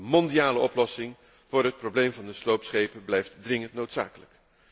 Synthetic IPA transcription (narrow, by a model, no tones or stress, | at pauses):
əmɔndijaːləʔɔplɔsɪŋ | v̥ʊːɾɦət̚prowblejmvɑndəslowpsχejpəblɛjftdrɪŋəntnowtsa̰ːkələk